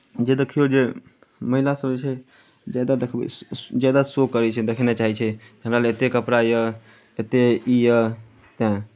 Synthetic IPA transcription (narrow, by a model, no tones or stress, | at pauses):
d͡ʒed̪ekʰijod͡ʒe | məɦilasəbd͡ʒet͡ʃʰɛ | d͡ʒad̪ad̪ekʰbɛ̰d͡ʒad̪asokəɾɛt͡ʃʰɛd̪ekʰnet͡ʃaɦit͡ʃʰɛ | d͡ʒənɾaleet̪ekəpɾajə | et̪eijə | t̪ɛ̃